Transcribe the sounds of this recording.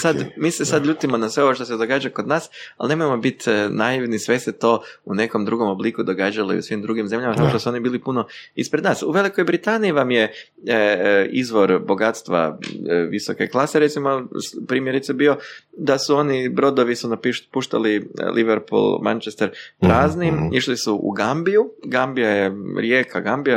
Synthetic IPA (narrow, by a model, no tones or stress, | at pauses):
sad̪miːsesad̪ʎuːt̪imo̞nasʋeo̞ʋoʃt̪osed̪o̞ɡaːd͡ʒakod̪naːsalˠne̞mojemo̞bit̪najiʋnisʋe̞se̞t̪o̞ːune̞ko̞md̪ɾuɡo̞mo̞blikud̪o̞ɡaːd͡ʒaloḭṵsʋimd̪ɾuɡimze̞mʎamat̪akoʃt̪osuo̞nibiːlipunoispɾe̞d̪naːsuʋe̞liko̞jbɾit̪aːniiʋamje̞ | izʋo̞ɾbo̞ɡat̪st̪ʋa̰ʋiso̞ke̞̰klˠase̞ɾe̞t̪simopɾiːmjeɾit̪sabio̞d̪asuo̞nibɾo̞d̪o̞ʋisunapipuʃt̪a̰lilʔiʋeɾpṵlˠma̰nt͡ʃest̪eɾpɾaːznimiʃlisuʔṵɡambijuɡambijajeɾje̞ːkaɡambija